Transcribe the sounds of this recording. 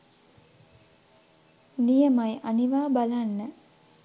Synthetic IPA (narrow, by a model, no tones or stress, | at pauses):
nijəmajʔaniʋaːbalanːə